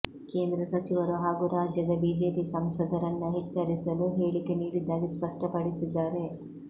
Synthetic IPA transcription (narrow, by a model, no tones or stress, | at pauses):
ke̞ːnd̪ɾɐsɐt͡ʃiʋɐɾuɦaːɡuːɾaːd͡ʒjɐd̪ɐbiːd͡ʒe̞ːpisɐmsɐd̪ɐɾɐnːuɦit͡ʃːɐɾisɐluɦe̞ːɭike̞niːɽid̪ːaːɡispɐʂʈɐpɐɽisid̪ːaːɾe̞